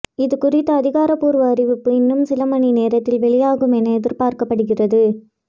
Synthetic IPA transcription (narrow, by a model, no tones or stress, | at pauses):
ɪðɯkʊrɪt̪ːɐːðɪɣaːɾɐpuːɾʋɐːɾɪʋɯpːɯɪnːɯmsɪlɐmɐɳineːɾɐt̪ːɪlʋɛɭɪjaːɣɯmɛnɐɛðɪɾpaːɾkɐpːɐɽɯɣɪrɐðɯ